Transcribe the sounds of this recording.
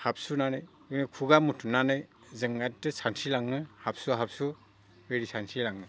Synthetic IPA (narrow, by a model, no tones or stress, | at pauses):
hap̚sunanɯj | enɯkʰuɡamutʰunanɯj | zɯŋɡatːɯsansilaŋːɯhap̚suɦap̚su | beɾisansilaŋːɯ